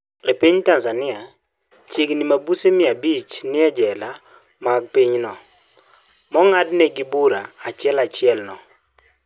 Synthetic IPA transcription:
epiɲtanzanɪa | t͡ʃeɡnimabusemɪabit͡ʃnɪɛd͡ʒɛla | maɡ̚piɲnɔ | mɔŋadnɛɡibuɾaːt͡ʃɪɛlat͡ʃɪɛlnɔ

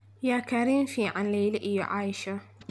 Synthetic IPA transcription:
jaːkʰɐɾiːmfiːʕanlɛjlɪʔɪjɔ̰ʕaːjɪʃɐ

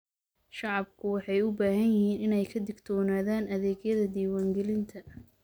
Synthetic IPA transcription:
ʃɑʕɑbkʰʊwɑħɑjʊbaːhɐnjɪhiːnɪnɛjkʰɐd̪ɪɡt̪ʰɔːnaːðaːnɐðɛːɡjɐðɐd̪iːwaːŋɡɛlɪnt̪ʰɐ

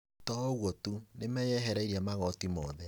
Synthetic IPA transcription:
tɔɣwotunemɛjɛɦɛɾaiɾamaɣɔtimɔðɛ

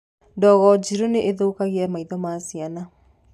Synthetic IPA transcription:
ndɔɣɔd͡ʑiɾoneʔeðoːkaɣeɛmaiðɔmasiana

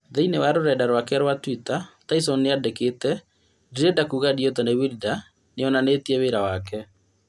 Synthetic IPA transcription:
ðeinewaɾoɾɛdaɾwakɛɾwatwitataisɔnːeadekeːtɛ | diɾedakuɣadiɔtanewilda | neɔnanetiɛweɾawakɛ

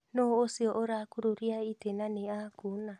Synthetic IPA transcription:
noːsiɔʔoɾakuɾoɾiaitenaneakuna

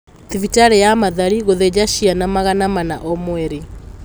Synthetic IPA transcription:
ðivitaɾejamaðaɾiɣoðed͡ʒaʃianamaɣanamanaʔɔmwɛɾi

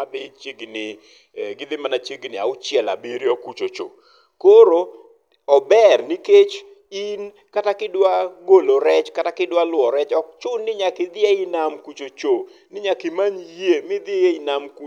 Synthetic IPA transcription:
abɪt͡ʃeɡnɪ | ɡɪd̪ɪmanat͡ʃeɡnɪa̰ʊt͡ʃjɛla̰biɾjɔkut͡ʃot͡ʃo̰ | koɾo | ɔbɛrniket͡ʃ | in | katakɪdwaɡoloɾɛt͡ʃkatakɪdwalʊwɔɾɛt͡ʃɔk̚t͡ʃʊnːɪɲakɪd̪ɪeɪnamkut͡ʃot͡ʃonɪɲakɪmanjemɪd̪ɪeɪnamk

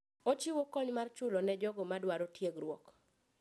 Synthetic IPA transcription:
ot͡ʃɪwokɔɲmart͡ʃʊlɔnɛd͡ʒɔɡɔmadwaɾotjeɡɾwɔk

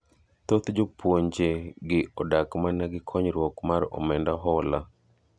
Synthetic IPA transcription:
t̪ot̪d͡ʒopwoɲd͡ʒeɡɪʔɔdakmanɛɡɪkʰɔɲɾwɔkmaɾɔ̰mɛndaɦɔla

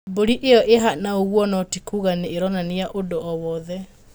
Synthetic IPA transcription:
boɾiʔejɔʔeɦanaoɣwɔnɔtikuɣaneːɾɔnaneaʔodoɔwɔðɛ

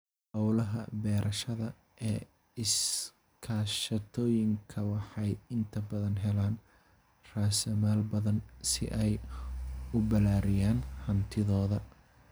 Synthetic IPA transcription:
hɑwlɐɦɐ̰bɛːɾʔɐʃɐðɐ | ʔɛː | ɪs | kʰaːʃɐt̪ʰɔːjɪŋkʰɐwɑħɑjɪnt̪ʰɐbɐðɐnɦɛlaːn | raːsɐmaːlbɐðɐnsɪ̰ʔɛj | ʊbɐlaːɾɪjaːnhɐnt̪ʰɪðɔːðɐ

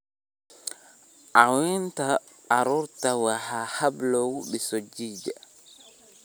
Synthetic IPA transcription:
ʔawintaː | ɾuɾtawahahablɔwuɓisod͡ʒiːd͡ʒa

